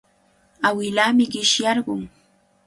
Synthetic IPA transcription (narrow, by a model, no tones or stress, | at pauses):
awɪlaːmɪɢɪʃjɑɾɢʊŋ